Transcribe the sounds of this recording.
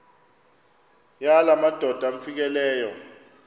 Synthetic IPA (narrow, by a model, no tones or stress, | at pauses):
jalamad̥ʱɔd̥ʱam̩fik̬ɛlɛːjɔ